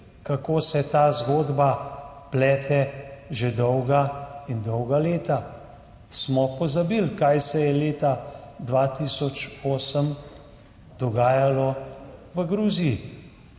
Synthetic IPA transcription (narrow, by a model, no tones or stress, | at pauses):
kakoːsɛt̪aːzɡoːd̪baplɛːt̪ʰɛʒed̪ɔwɡaind̪ɔwɡaleːt̪a | smɔpɔzabilkajsɛjɛleːt̪ad̪ʋaːt̪isɔt͡ʃoːsəm | d̪ɔɡaːjalɔʋəɡɾuːziji